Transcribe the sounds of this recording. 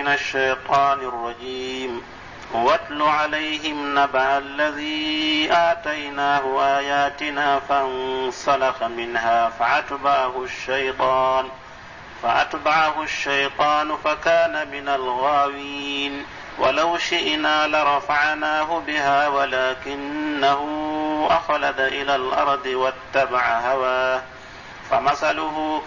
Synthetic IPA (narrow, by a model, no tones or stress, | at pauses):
ɪnaʃːajt̪ˤɑːnrˤːɑd͡ʒiːm | wat̪luʕalajhɪmnabaʕalːaðiːʔaːt̪ajnaːɦʊʔaːjaːt̪ɪnaːfaʔnsalɑxamɪnɦaːfaʔat̪baʕaɦʊʃːajt̪ˤɑːn | faʔa̰t̪baʕaɦʊʃːajt̪ˤɑːnʊfakaːnamɪnalɣaːwiiːn | wa̰lawʃɪʔnaːlɪɾˤɑfaʕnaːɦʊbɪɦaːwalaːkɪnːaɦʊʔaxlad̪aʔɪlaːlʔɑɾˤd̪ˤɨwat̪ːabaʕaɦawaː | famasalʊɦʊ